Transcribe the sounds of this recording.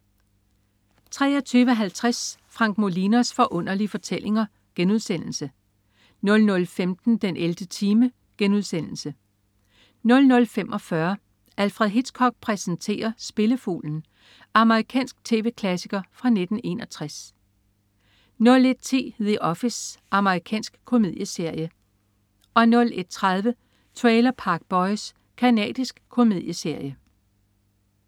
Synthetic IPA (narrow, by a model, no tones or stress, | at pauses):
t͡sʰʁɛ̰ːɐt͡sʰyːʋəɦælt͡sʰʁasfʁɑ̈ŋ̰ɡ̥̚mo̝linosfɒ̽ʔɔ̽n̰ɐlifɒ̽t͡sʰel̰ʔe̝ŋɐ | ɡ̥enuð̞ˠsen̰l̩sə | nɔ̽lnɔ̽lfemd̥n̩d̥enʔeld̥ət͡sʰiːmə | ɡ̥enuð̞ˠsen̰l̩sə | nɔ̽lnɔ̽lfem̰ʔɒ̽fɶɐ | ælfʁɛðˠɦid̥skʰɒ̽ɡ̥̚pʰʁɛsən̩t͡sʰe̝̰ːɐsb̥e̝ləfṵːln̩ | ʔɑ̈məʁikʰɛ̰ːnsɡ̥̚t͡sʰe̝̰ːʋe̝̰ːkʰlæsiɡ̥ɐfʁɑ̈ne̝d̥n̩e̝nɒ̽t͡sʰʁas | nɔ̽le̝d̥̚t͡sʰe̝̰ːðˠeʔɒ̽fisʔɑ̈məʁikʰɛ̰ːnsɡ̥kʰo̝me̝ð̞̰ˠjəse̝ɐ̰jə | ɒ̽nɔ̽le̝d̥̚t͡sʰʁɑð̞ˠʋə | t͡sʰʁɛɪlɐpʰɑ̈ːɡ̥̚b̥ɒ̽ɪs | kʰænɛ̰ːd̥isɡ̥kʰo̝me̝ð̞̰ˠjəse̝ɐ̰jə